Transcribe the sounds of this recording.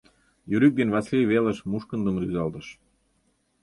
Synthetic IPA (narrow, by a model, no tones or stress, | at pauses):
jyɾyk̚d̪enβɑslʲijβelə̆ʃmuʃkənd̪ə̆mɾyzɑlˠd̪əʃ